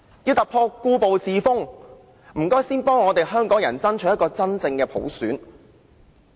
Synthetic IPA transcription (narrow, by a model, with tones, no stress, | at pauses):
jiː˨˧wt̪ɐ˨k̚pʰɔː˧kːuː˧po˨wt͡siː˨˧fʊ˥ŋ | m̩˨˩kɔː˥jsiː˥npɔː˥ŋːɔː˨˧t̪e˨jɦœː˥ŋkɔː˨˥ŋjɐ˨˩nt͡sɐ˥nt͡ʃʰɵ˨˥jɐ˥t̚kɔː˧t͡sɐ˥nt͡sɪ˧ŋkɛː˧pʰo̰˨˥wsyː˨˥n